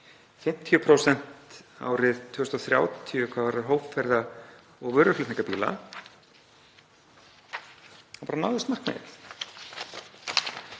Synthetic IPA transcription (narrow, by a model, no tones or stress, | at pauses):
fɪm̥t̪ʰːjʏpʰɾoːwsɛn̥t̪a̰wɾɪðt̪ʰʏɣʏst̪awθɾja̰ːwt̪ʰiʏkʰvaːvaɾaɾɦoːwpfɛɾða | ɔɣvœɾʏflɪt̪niŋkapiːla̰ | awpaɾanaːwðɪst̪mar̥kmɛ̰θ